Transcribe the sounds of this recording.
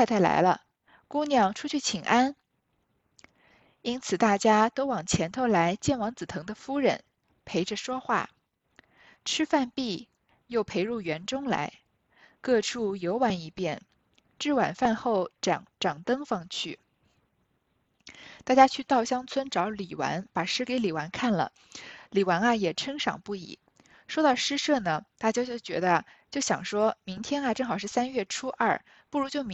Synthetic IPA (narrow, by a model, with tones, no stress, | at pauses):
t̪ʰa˥˩ɪla̰˧˥ɪlə˧ | ku˥njɑ˥˩ŋʈ͡ʂʰu˥t͡ɕʰy˥˩t͡ɕʰi˨˩ŋʔa˥n | i˥nt͡sʰɹ̩˨˩t̪a˥˩t͡ɕja˥t̪o˥ʊwɑ˨˩ŋt͡ɕʰjɛ˧˥nt̪ʰo˥˧ʊla˧˥ɪt͡ɕjɛ˥˩nwɑ˧˥ŋt͡sɹ̩˨˩t̪ʰɤ˧˥ŋd̪ə˧fu˥ɻə̰˧˥n | pʰe˧˥ɪʈ͡ʂə˧ʂwɔ˥xwa̰˥˩ | ʈ͡ʂʰɻ̩˥fa˥˧npi˥˩ | jo˥˩ʊpʰe˧˥ɪɻu˥˩ɥɛ˧˥nʈ͡ʂʊ˥ŋla̰˧˥ɪ | kɤ˥˧ʈ͡ʂʰu˥˩jo˧˥ʊwa˧˥ni˧˩pjɛ˥˩n | ʈ͡ʂɻ̩˥˩wa̰˨˩nfa˥˧nxo˥˩ʊʈ͡ʂŋʈ͡ʂɑ˨˩ŋt̪ɤ˥ŋfɑ˥˧ŋt͡ɕʰy˥˩ | t̪a˥˩t͡ɕja˥t͡ɕʰy˥˧t̪ɑ˥˧ʊɕjɑ˥ŋt͡sʰwə˥nʈ͡ʂɑ˧˥ʊli˨˩wa̰˧˥npa˨˩ʂɻ̩˥ke˧˥ɪli˨˩wa˧˥nkʰa˥˩nlə̰˩ | li˨˩wa˧˥nɐ˧jɛ˨˩ʈ͡ʂʰɤ˥ŋʂɑ̰˨˩ŋpu˥˩ḭ˨˩˦ | ʂwo˥t̪ɑ˥˩ʊʂɻ̩˥ʂɤ˥˩nə˩t̪a˥˩t͡ɕja˥t͡ɕjo˥˩ʊt͡ɕɥɛ̰˧˥d̪ə˧ | t͡ɕjo˥˩ʊɕjɑ̰˨˩ŋʂwɔ˥mi˧˥ŋt̪ʰjɛ˥na˨ʈ͡ʂɤ˥˩ŋxɑ˨˩ʊʂɻ̩˥˩sa˥nɥɛ˥˩ʈ͡ʂʰu˥ʔɐ̰˥˩ | pu˥˩ɻu˧˥t͡ɕjo˥˩ʊm